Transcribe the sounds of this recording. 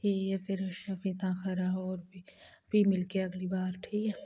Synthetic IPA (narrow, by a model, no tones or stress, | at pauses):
iːefʰɪɾʃafĩt̪ãːxɐɾaɦɔːɾbibʱimɪlkeɐɡlibaːɾʈʰiːkɛ